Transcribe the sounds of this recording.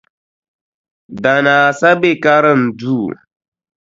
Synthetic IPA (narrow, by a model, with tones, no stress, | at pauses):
da˨naː˨sa˦be˦ka˦ɾə˦˨n̩˨du˦˨